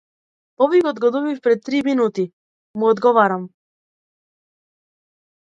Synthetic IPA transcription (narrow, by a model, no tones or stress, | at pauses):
ɔvijɡɔd̪ɡɔd̪ubifpɾɛt̪ːɾiminut̪i | muɔd̪ɡɔvaɾam